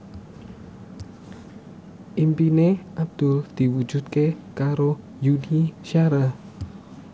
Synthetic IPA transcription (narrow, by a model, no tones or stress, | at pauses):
ʔimpineʔab̚d̪̥ʊld̪̥i̤wu̥d͡ʒut̪̚kekaɾo | juniʃiaɾa